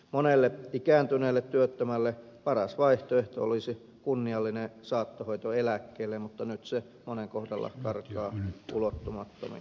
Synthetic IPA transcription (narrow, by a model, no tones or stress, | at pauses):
monelːeikæːnt̪yneːlːet̪tyøt̪ːømælːepɑrɑsʋɑiht̪oeht̪o̰olisi | kunːiɑlːinesɑːt̪ːohoit̪oelækːeːlːemmut̪ːɑnyt̪se | moneŋkohdɑlːɑ̰kɑrkɑːʔulot̪ːumɑt̪ːo̰mḭ